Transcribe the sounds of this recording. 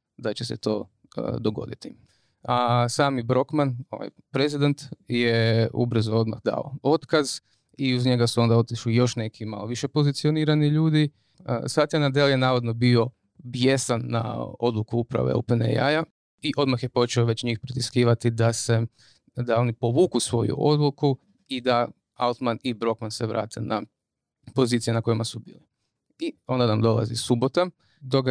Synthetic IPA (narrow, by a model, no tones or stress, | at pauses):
d̪at͡ɕesḛt̪o̞ː | əd̪oɡo̞̰d̪it̪i | asaːmibɾo̞kmano̞̰ʋa̰j | pɾezid̪ent̪jeṵbɾ̩zuo̞d̪ma̰xd̪a̰o̰ot̪kaz | iuzɲe̞ɡasuo̞nd̪ao̞t̪iʃlijo̞ʃne̞kʰima̰lo̞ʋiʃepo̞zit̪sio̞niːɾaniʎuːd̪i | sat̪janad̪eljenaːʋod̪no̞bio̞ | bje̞sanːa̰o̞d̪lˠukuupɾa̰ʋḛo̰wpenḛja̰ja | iʔo̞d̪maxjepo̞t͡ʃeoʋet͡ɕɲiːxpɾit̪iskiːʋat̪id̪ase | d̪ao̞nipo̞ʋuːkusʋo̞̰jṵʔo̞d̪lˠuku | id̪a | aut̪manibɾo̞kmanseʋɾa̰ːt̪ʰe̞̰na | po̞zit̪sijenakojimasubḭːli | io̞nd̪anamd̪o̞lˠa̰zḭsubo̞t̪a | d̪oɡ